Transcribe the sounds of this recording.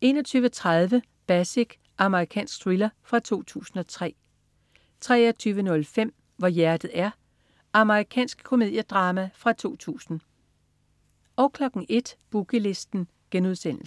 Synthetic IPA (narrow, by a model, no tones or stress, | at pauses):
e̝̰ːnɒt͡sʰyːʋət͡sʰʁaðˠʋə | b̥æsiɡ̥ | ʔɑ̈məʁikʰɛ̰ːnsɡ̥̚d̥ʁilɐfʁɑ̈t͡sʰo̝̰ːt͡sʰṵːsn̩ɒ̽t͡sʰʁɛ̰ː | t͡sʰʁɛ̰ːɒt͡sʰyːʋənɔ̽lfem̰ | ʋɒjæɐd̥ð̩ˠæɐ | ɑ̈məʁikʰɛ̰ːnsɡ̥̚kʰo̝mi̝ð̰ˠjəd̥ʁɑ̈ːmæfʁɑ̈t͡sʰo̝̰ːt͡sʰṵːsn̩ | ɒ̽ʊkʰlɒ̽ɡ̥ŋ̩e̝d̥b̥uɡ̥əle̝sd̥n̩ | ɡ̥enuð̞ˠsen̰l̩s